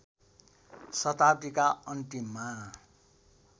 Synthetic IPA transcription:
sʌt̪at̪ikaʌɳʈima

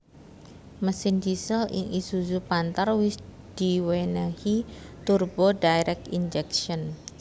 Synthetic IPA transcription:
məsɪndisəlɪ̰ŋisuzupant̪arwɪs | d̪̥iwenahit̪urbodajɾɛk̚t̪ind͡ʒɛkʃɔn

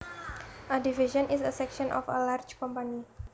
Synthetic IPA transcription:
ʔadiviʃɔ̃nisəsɛkʃɔnʔɔ̰fə̰lard͡ʒkɔmpani

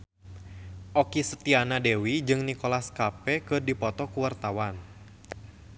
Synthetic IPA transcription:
ʔɔkisət̪ianadewid͡ʒɨŋnikɔlaskapɛkɨrdipɔt̪ɔkuwart̪awan

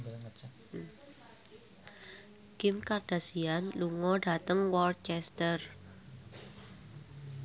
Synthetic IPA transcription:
kɪmkard̥a̤sianluŋɔɖ̥a̤t̪əŋwɔr̚t͡ʃɛst̪ər

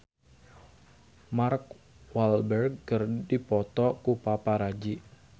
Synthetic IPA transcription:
mark̚ | walbɛrɡ̚ːərdipɔt̪ɔkupapaɾad͡ʒi

